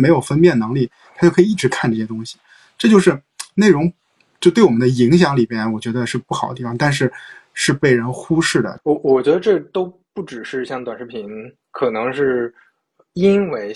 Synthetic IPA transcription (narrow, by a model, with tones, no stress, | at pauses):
me˧˥jo˨˩ʊfə˥npjɛ˥˩nɤ˧˥ŋli˥˩ | t̪ʰa˥t͡ɕo˥˩ʊkʰi˥˩ʈ͡ʂɻ̩˧˥kʰa˥˧nʈ͡ʂɤ˥˩ɕjɛ˥t̪ʊ˥ŋɕi̥˨˩ | ʈ͡ʂɤ˥˧t͡ɕjo˥˧ʊʂɻ̩˥˧ | ne˥˩ɪɻʊ˧˥ŋ | t͡ɕjo˥˧ʊt̪we˥˩ɪwɔ˨˩m˦nd̪ə˧i˧˥ŋɕ̬jɑ˧˥ŋli˨˩mjɛ˥nwɔ˨˩t͡ɕɥɛ˧˥d̪ə˧ʂɻ̩˥˧pu˥˩xɑ˨˩ʊdət̪i˥˩fɑ˥˩ŋt̪a˥˧nʂ̬ɻ̩˥˧ʂɻ̩˥˧pe˥˩ɪɻə˧˥nxu˥ʂɻ̩˥˩d̪ə̰˩wɔ˧˩wɔ˨˩t͡ɕɥɛ˧˥d̪ə˧ʈ͡ʂɤ˥˩t̪o˥ʊpu˥˩ʈ͡ʂɻ̩˨˩ʂɻ̩˥˧ɕjɑ˥˩ŋt̪wa˨˩nʂɻ̩˧˥pʰi˧˥n | kʰɤ˨˩nɤ˧˥ŋʂɻ̩˥˩ | i˥nwe˧˥ɪ